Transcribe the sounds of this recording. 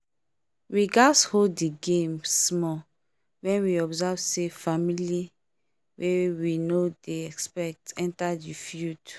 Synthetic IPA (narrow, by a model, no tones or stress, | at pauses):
wiɡashoddiɡẽmsmɔ | wɛ̃nwiɔbzavsefamili | wʔewinodeɛkspɛk̚tɛ̃ntadifjut